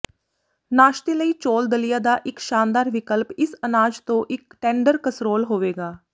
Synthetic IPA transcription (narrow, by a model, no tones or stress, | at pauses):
naːʃt̪eːləiːt͡ʃoːld̪əlijaːd̪aːʔɪkʃaːnd̪aːɾʋɪkəlpɪsənaːd͡ʒt̪õːʔɪkʈɛ̃ːɳɖəɾkəsɾoːlɦoːʋeːɡaː